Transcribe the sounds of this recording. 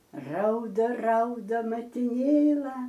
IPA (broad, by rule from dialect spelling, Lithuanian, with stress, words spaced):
ˈrɐʊdɐ ˈrɐʊdɐ mɐtʲɪˈnʲeːlˠɐ